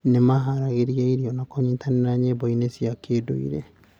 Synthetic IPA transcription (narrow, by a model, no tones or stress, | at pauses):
nemaɦaɾaɣeɾiaiɾiɔnakɔɲiːtʰaninaɲebɔinesiakʰeːdo̰ḭɾɛ̰